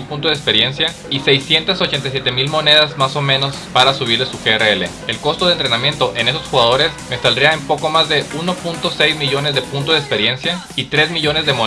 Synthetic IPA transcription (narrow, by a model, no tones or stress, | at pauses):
lpunt̪ozðekspe̞ɾje̞nsja | ise̞jsje̞nt̪aso̞t͡ʃe̞nt̪̬ajs̬jet̪emilmo̞ne̞ð̞azmaso̞mẽ̞no̞spaɾasuβ̞iɾlesuxeereelḛ | elko̞st̪oðent̪ɾe̞nãmje̞nt̪o̞ʔe̞ne̞so̞sxuɣaðo̞ɾe̞smest̪ald̪ɾiaempo̞ko̞mazðe̞uno̞punt̪o̞sejzmiʝo̞ne̞zðe̞punt̪ozðespe̞ɾje̞nsja | it̪ɾe̞zmiʝo̞ne̞zðe̞mo